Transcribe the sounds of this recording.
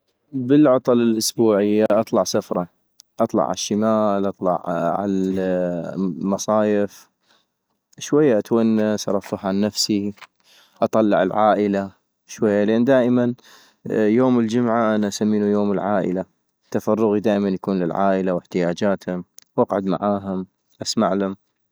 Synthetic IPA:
bəlʕɑt̪ˤɑlɪlʔʊsbuːʕɪjːaʔɑt̪ˤlɑʕsafɾˤɑ | ʔɑt̪ˤlɑ̰ʕa̰ʃːəmaːlʔɑt̪ˤlɑ̰ʕʕa̰l | mɑsˤɑːjɪf | ʃwajːaʔat̪wanːasʔɑ̰ɾˤɑfːahʕanːafsi | ʔɑt̪ˤɑlːɑ̰ʕɪlʕaːʔɪla | ʃwajːalɪʔanːd̪aːʔman | joːmɪld͡ʒʊmʕaʔanaʔasamːiːnujoːmɪlʕaːʔɪ̰la | t̪afɑrˤːʊɣid̪aːʔjmanjakuːnlɪlʕa̰ːʔɪlawɪħt̪ɪjaːd͡ʒaːt̪hʊmwʔɑqʕʊ̰d̪ma̰ʕaːɦʊm | ʔasmaʕlʊm

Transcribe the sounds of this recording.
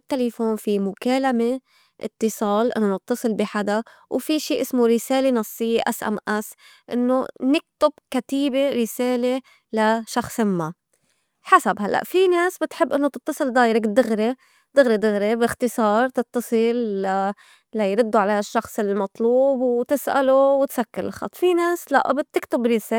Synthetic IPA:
t̪ːelefoːnfimʊkaːlame | ʔɪ̰t̪ːɨsˤɑːlʔɪ̰nːonɨt̪ːɑsˤɨlbiħad̪awfiʃiːʔɪsmoɾɪseːlenɑsˤːɨjːeʔa̰sʔa̰mʔas | ʔɪ̰nːo̰nɪk̚t̪ʊb̥kat̪iːbeɾɪseːle | laʃɑxsˤɪmːa | ħasabhalːʔa̰ʔfineːsbɪt̪ħɪbːʔɪnːot̪ɨt̪ːɑsˤɨld̪aːjɾɪkd̪ɪɣɾe | d̪̥ɪɣɾed̪ɪɣɾebɪxt̪ɨsˤɑːɾˤt̪ɨt̪ːɑsˤɨlːa | lajɾʊd̪ːuʕalaaʃːɑxsˤɪlmɑt̪ˤluːbwt̪ɪsʔa̰lowɪt̪sakːalɪ̰lxɑ̰t̪ˤːfineːsla̰ʔa̰bɪt̪ːɪkt̪ʊbɾɪseː

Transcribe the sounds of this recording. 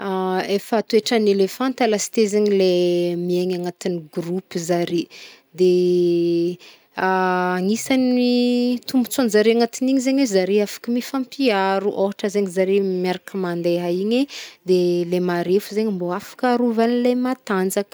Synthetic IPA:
aefat̪ueʈ͡ʂanelefãnt̪alasi̥t̪ezeɲilemieɲaŋat̪iniɡrupzaɾi | d̪e | aːŋisaniit̪umbu̥t͡sonzaɾeaŋat̪iniɲizeɲwezaɾeafḁkəmifampiaɾuʔoɦaʈ͡ʂəzeɲizaɾemaɾakəmand̪eaiɲed̪elemaɾefuzeɲimboafḁkaɾuvanilemat̪and͡zakə̥

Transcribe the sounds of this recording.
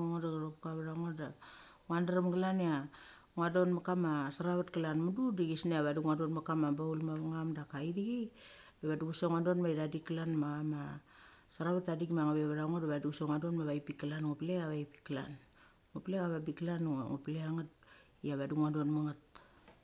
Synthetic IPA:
ŋodaɡaɾopkaβaɾaŋodaŋuandaɾamɡalania | ŋadonmakamasaɾaβatkalanmadudiɡisneaβaduŋuado̞nmakamabaulmaβaŋamdakaidiɡidaβaduɡusoŋado̞nmadadikalanmaama | saɾaβatadikmaŋaβeβaɾaŋodaβaduusaŋadonmaβaipikalanŋoplekaβajpi̥kala̰n | ŋoplekaβabiklanŋopleaŋat̚ | iaβaduŋado̞nmaŋat̚

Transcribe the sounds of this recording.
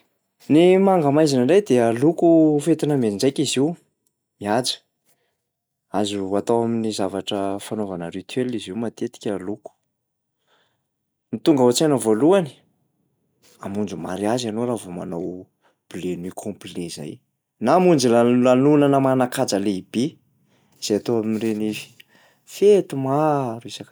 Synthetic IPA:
nimaŋɡamajziniɳɖ͡ʐejd̪ealukufet̪inəmeɾind͡ʒajkiziw | miad͡zi̥ | azuat̪owaminizavaʈ͡ʂəfanovanaɾewt̪ʰeliziwmat̪et̪i̥kʲaluku̥ | nit̪uŋɡot͡sanavoluani̥ | amund͡ʒuma̰ɾiazanoɾavoma̰naw | b̥ulenikʰõmpileza̰ḭ | namund͡ʒilalanunənəmanakad͡zaleibi | z̥eat̪oamirenifi̥ | fet̪umaɾuisaka

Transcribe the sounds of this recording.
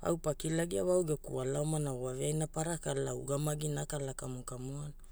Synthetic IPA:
a̰wpakilaɡiawawɡekṵalaomanawaveajnapaɾakalauɡamaɡinakalakamukamuana

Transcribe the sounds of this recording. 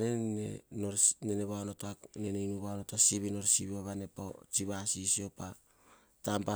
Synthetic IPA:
neḛnoɾneneβaonotaknenejnuβaonotasiβino̞ɾsiβiaβanepa̰t͡ʃiβasisio̞pa | tampa

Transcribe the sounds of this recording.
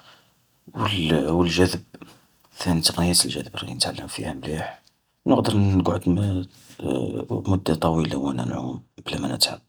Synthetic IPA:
wəlwəlʒæðəb̚ | θænt̪ːɑqnəjæt̪əlʒæðəbrɣinət̪ʕalːəmfihæmliħ | nəqd̪əɾəɡʕəd̪m | mʊd̪ːat̪ˤɑwilawænæ̰nʕṵmblæmænæ̰t̪hæ̰

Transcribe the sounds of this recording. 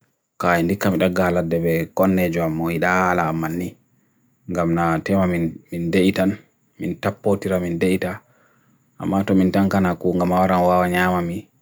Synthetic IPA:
kajɛndikːamiɗaɡaladɛbɛkɔnːɛd͡ʒɔamːɔiɗalamanːi | ŋɡamnatɛmaminmindeʔitan | mintapːotiɾamindeʔita | ʔa̰mːatɔmintaŋkanakuŋɡamawaɾanwawaɲaːmami

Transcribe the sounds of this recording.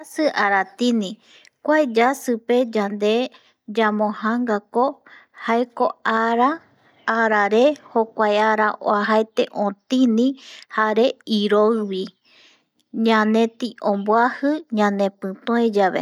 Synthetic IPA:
sɨʔaɾat̪ĩnĩ | kʷaed͡ʒasɨpe̞d͡ʒand̪e̞ | d͡ʒamõhaŋɡako̞haeko̞aɾaː | ɾaɾe̞hokʷaeaɾaʔoaɦaet̪e̞ʔõt̪ĩnĩhaɾe̞iɾoɨβi | ɲãnẽ̞t̪iʔõmbwahɨɲãnẽ̞pɨ̃t̪õed͡ʒaβe̞̰

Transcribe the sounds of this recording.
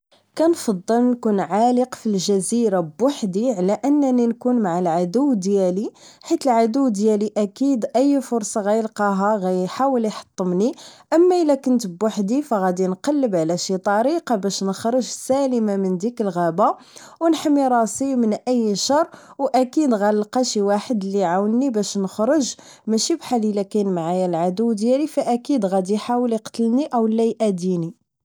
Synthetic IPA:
kænfɑd̪ˤːəlnkunʕaləqfilʒæziɾabwaħd̪iʕlæʔənːninkunmaʕalʕad̪ʊwːd̪jæliħit̪əlʕad̪uwːd̪jæliʔækid̪ʔəjːfʊɾˤsˤɑɣæjəlqɑɦaɣæjħawəljħɑ̥t̪ˤːəmniʔəmːæʔəlːækʊnt̪bwaħd̪ifæɣæd̪inqɑlːəbʕlæʃit̪ˤɑɾiqɑbæʃnəxɾˤəʒsælimamənd̪ikəlɣæba | wnħəmːiɾˤɑsimənʔəjːʃɑrˤːwʔækid̪ɣæləlqɑʃiwaħəd̪liʕawənːibæʃnəxɾəʒ | mæʃibħalilːækæjnmaʕajælʕad̪əwːd̪jælifæʔækid̪ɣæd̪iħawəljqt̪əlniʔæwəlːæjʔæd̪ini

